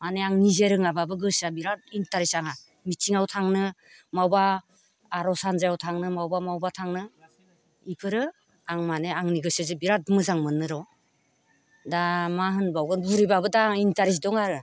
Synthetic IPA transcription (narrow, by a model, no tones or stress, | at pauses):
maneaŋnizeɾɯŋababɯɡɯsabiɾat̚intaɾisaŋa | mitʰiŋawtʰaŋnɯ | mawbaː | ɾɔsanzajawtʰaŋnɯmawbamawbatʰaŋnɯ | ipʰɯɾɯ | aŋmaneaŋniɡɯsɯzɯbiɾat̚bɯmɯzaŋmɯnːɯɾɔ | damaɦɯnbawɡɯnbuɾibabɯdaintaɾis̬dɔŋaɾɯ